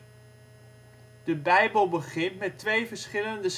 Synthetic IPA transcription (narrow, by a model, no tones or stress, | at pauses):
d̥əbɛjbəlˠbəχɪntmɛtʋejvəɹsχɪləndəs